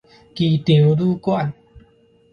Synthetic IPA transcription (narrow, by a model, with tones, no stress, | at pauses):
ki˧t̪i˨˩˦wduː˦kwa˥˧˨n